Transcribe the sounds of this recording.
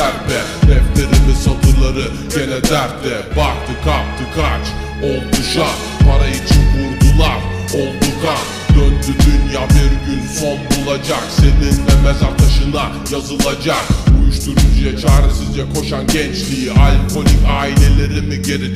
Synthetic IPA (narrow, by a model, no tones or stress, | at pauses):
æɾbɛ | d̪ɛft̪e̞ɾimisat̪ʰɯɾlˠaɾɯ | ɟe̞lʲed̪æɾd̪ɛbaht̪ʰɯkʰat̪ʰɯkʰat͡ʃ | olˠt̪uʃa | pʰaɾait͡ʃʰinbuɾd̪ulˠaɾ | olˠd̪ukʰa | d̪ønd̪yd̪ynjabiɾd̪ylfo̞nbulˠad͡ʒakse̞ninvɛmɛzaɾt̪ʰaʃɯna | jazɯlˠad͡ʒakujuʃt̪uɾujd͡ʒɛt͡ʃʰaːɾɯsɯzd͡ʒɛkʰo̞ʃanɟɛnt͡ʃlʲijiʔalʲkʰo̞lʲikaːilʲe̞lʲe̞ɾimiɟele